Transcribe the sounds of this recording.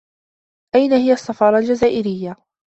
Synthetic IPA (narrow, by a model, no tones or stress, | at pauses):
ʔajnahɪjasˤːɑfɑːɾˤɑld͡ʒazaːʔɪɾɪjːa